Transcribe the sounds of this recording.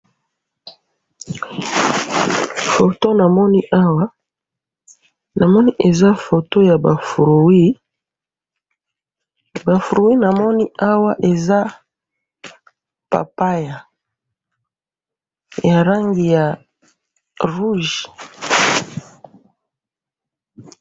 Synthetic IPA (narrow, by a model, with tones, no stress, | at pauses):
fo˨to˦na˨mɔ˦ni˦ʔa˦wa˦ | na˨mɔ˦ni˦ʔe˨za˦fo˨to˦ja˨ba˨fu˨ɾo˨wi˦ | ba˨fu˨ɾo˨wi˦na˨mɔ˦ni˦a˦wa˦ʔe˨za˦ | pa̰˨pa˦ja˨ | ja˨ɾa˦ŋɡi˨ja˨ | ʁu˦ʒi̥˨